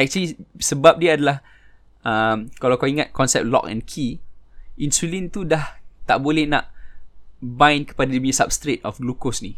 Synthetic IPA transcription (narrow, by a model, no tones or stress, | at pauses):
ɛk̚t͡ʃəlisəbap̚diəadalah | ə̃mkalawkawiŋat̪̚kɔnsɛ̰p̚lɔ̰kɛ̰̃nkʰi | ĩnsulĩnt̪udaht̪a̰ʔbolɛhnaʔ | bãj̃nkə̥padadibiɲəsap̚st̪ɾet̪̚ɔfɡlukosni